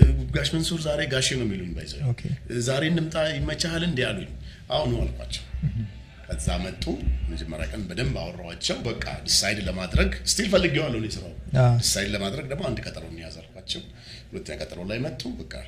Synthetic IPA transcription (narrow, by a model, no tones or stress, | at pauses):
ɡuɡaʃmənsuɾzaɾe̞ɡaʃenowmːiluuɲːbajzozaɾe̞nd̪ɨmt̪ʼajɪmət͡ʃahalɨnd̪jaluɲː | ʔawnəwa̰lkʷa̰t͡ʃːɛw | kʰəza̰mət̪ʼːuməd͡ʒɛmːəɾja̰kʼənbəd̪əmba̰wɔrːəwat͡ʃːɛwbəkʼːa̰d̪ɨsajd̪ləmad̪ɾəɡst̪ʰilfəlːɨɡjɛwalːəhunjɛsɨɾa̰wd̪ɨsajd̪ləmad̪ɾəɡ̚d̪əmːoand̪kʼət̪ʼəlonijazalkʰʷat͡ʃːɛw | hulət̪ʰːəɲakʼət̪ʼəɾolajmət̪ʼːubəkʼːa̰